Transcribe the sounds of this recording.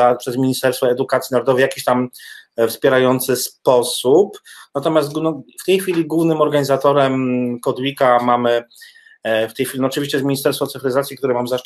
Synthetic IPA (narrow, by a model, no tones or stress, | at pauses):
apʂɛzmʲiɲist̪ɛɾst̪fɔɛd̪ukat̪sʲinaɾɔd̪ɔvɛjakʲiɕt̪amfspʲjɛɾajɔnt̪sɘspɔsupnat̪ɔmʲjast̪nɔft̪ɛjxfʲilʲiɡuvnɘmɔɾɡaɲizat̪ɔɾɛmkɔd̪wʲikamamɘ | ft̪ɛjxʲilʲinɔt͡ʂɨvʲiɕt͡ɕɛzmʲiɲist̪ɛɾsfɔt̪sɘfɾɘzat̪sʲjikt̪uɾɛmamza